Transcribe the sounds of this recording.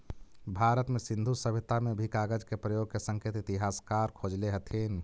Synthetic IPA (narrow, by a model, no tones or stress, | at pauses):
bʱaɾət̪mesind̪ʱusəbʱit̪amebʱikaɡəd͡ʒkepɾəjoɡ̚kesəŋket̪it̪iɦaskaɾkʰod͡ʒleɦət̪ʰin